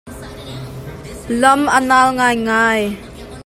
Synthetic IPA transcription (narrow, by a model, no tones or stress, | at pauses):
lɔmʔənaːlŋaːjŋaːj